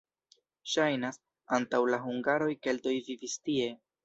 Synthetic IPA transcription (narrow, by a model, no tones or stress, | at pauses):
ʃajnas | antawlaɦuŋɡaɾo̞jke̞lto̞jvivistie̞